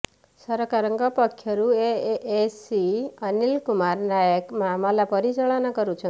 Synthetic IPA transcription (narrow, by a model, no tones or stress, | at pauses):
səɾɔkaɾəŋɡɔpɔkʰːjɔɾueʔesiənilkumaɾnajəkmamɔlapɔɾit͡ʃɔɭɔnɔkɔɾut͡ʃʰɔ